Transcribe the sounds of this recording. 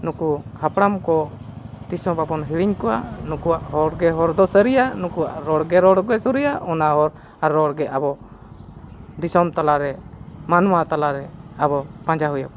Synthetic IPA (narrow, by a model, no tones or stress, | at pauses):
nukuhapɽamkɔ | d̪isɔbabɔnɦiɽiɲkɔwa̰ʔnukuwaʔɦɔɾɡɛɦɔɾd̪ɔsəɾijanukuwaʔɾɔɽɡɛɾɔɽɡɛsɔɾijaɔnaɦɔɾ | aɾːɔɽɡɛʔabɔ | d̪isɔmt̪alaɾɛmanmat̪alaɾɛabɔb̥ãd͡ʒaɦujab̚